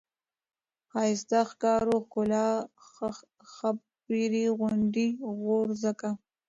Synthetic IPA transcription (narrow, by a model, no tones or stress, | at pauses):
xɑjɪs̬t̪axkɑɾoxkʊlɑ | xa | piɾiɣʊɳɖiɣoɾzəka